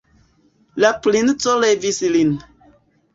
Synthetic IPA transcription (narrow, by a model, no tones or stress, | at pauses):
laplint͡solevislin